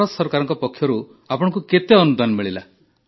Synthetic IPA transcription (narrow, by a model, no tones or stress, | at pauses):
ɔsɔɾkaɾɔŋkɔpɔkʰːjɔɾu | apɔɽ̃ɔŋkuket̪eɔnud̪ʱanɔmiɭila